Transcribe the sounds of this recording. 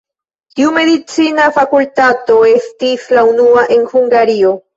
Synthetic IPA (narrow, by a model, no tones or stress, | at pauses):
t̪iume̞ðit͡sinafakult̪at̪o̞e̞st̪islaunuaʔe̞nhuŋɡaɾio̞